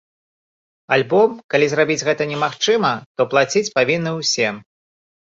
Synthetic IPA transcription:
alʲbɔmkalʲizɾabʲid͡zʲɣɛt̪ɐnʲɛmaxt͡ʂɨmɐt̪ɔplˠat͡sʲit͡sʲpavʲinːɨwsʲɛ

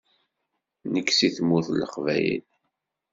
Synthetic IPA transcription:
nəkːsiθmːuθlːəχvæ̰jḭl

